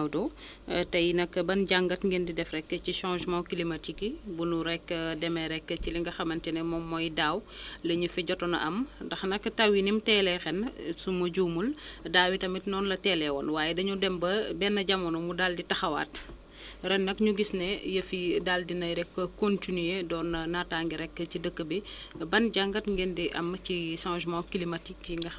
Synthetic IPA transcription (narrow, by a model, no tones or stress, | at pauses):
wdɔ | tɐjinɐkːəbɐnɟaŋɡɐtŋɡɛndidɛfɾɛkːəciʃãːʒmãkilimɐtikibunuɾɛkːədɛmɛɾɛkːəciliŋɡɐxɐmɐntɛnɛmɔmːɔjdaːwlɐɲufɛɟɔtɔnɐ̰ʔɐmdɐxnɐkːtɐwinimtɛːlɛxɛnsumɐɟuːmuldaːwitɐmitnɔːnlɐtɛːlɛwɔ̰nwaːjɛdɐɲudɛmbɐbɛnːɐɟamɐnɔmudalditɐxɐwa̰ːt | ɾɛnnːɐkɲuɡisnɛjɐfidaːldinɐjɾɛkːəkontinyjedɔːnːɐnataːŋɡiɾɛkːəcidəkːəbibɐnɟaŋɡɐtŋɡɛndiʔɐ̰mciʃãːʒmãkilimɐtikːiŋɡɐ